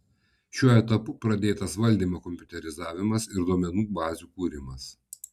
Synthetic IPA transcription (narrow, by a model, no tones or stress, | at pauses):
ʃʲuɔɛt̪ɐpʊpɾɐd̪ʲeːt̪ɐsʋɐlʲd̪ʲiːmoːkɔmʲpʲʊt̪ʲɛɾʲɪzɑːʋʲɪmɐsɪɾd̪oɔmʲɛnuːbɑːzʲuːkuːɾʲɪmɐs